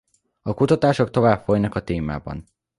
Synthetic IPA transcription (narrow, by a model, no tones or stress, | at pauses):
ɒkut̪ɒt̪aːʃo̞k̚t̪o̞vaːpfo̞jnɒkɒt̪eːma̰ːbɒ̰n